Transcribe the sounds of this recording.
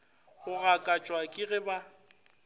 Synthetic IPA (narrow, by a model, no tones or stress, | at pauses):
ɣʊɣakʼat͡ʃʼwakʼɪɣɪba